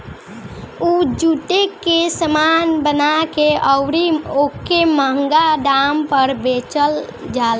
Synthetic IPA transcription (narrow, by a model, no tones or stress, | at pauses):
ud͡ʒuʈekːesəmanbənakeʔəwɾiokːeməɦəŋɡaɖampəɾbet͡ʃəl | d͡ʒal